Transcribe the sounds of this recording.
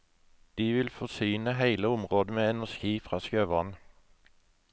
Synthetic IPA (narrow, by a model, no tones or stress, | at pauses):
d̪̥iːʋɪlfɔsyːnəɦæɪləʊmʁoːd̪əmeːɛnæʃɡiːfʁɑːskøːʋɑn